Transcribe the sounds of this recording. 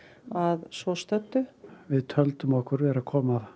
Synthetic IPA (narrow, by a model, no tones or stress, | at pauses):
aðsvɔst̪œt̪ːʏvɪðt̪ʰœlt̪ʏmɔhkʏɾvɛːɾakʰɔːma